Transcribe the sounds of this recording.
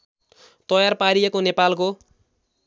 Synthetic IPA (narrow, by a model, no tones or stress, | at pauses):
t̪ʌjarpaɾijekonepalk̬o